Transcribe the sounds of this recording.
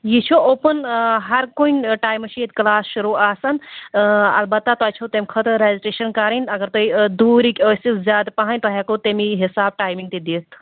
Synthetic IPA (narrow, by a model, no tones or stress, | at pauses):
jit͡ʃʰoʔoːpənɦɐɾkoinʈaːjmɐʃiet̪klaːsʃuɾuːaːsɐn | ɐ̰lbɐt̪ːat̪oajt͡ʃʰot̪emkʰɐt̪ɾeːziʈeːʃɐnkaɾinɐɡɐɾt̪oid̪uːɾikʲoːsizʲjaːd̪paɦanʲt̪oɦaːkot̪emiɦisaːb̚ʈaːjmiŋɡt̪id̪iːt̪ʰ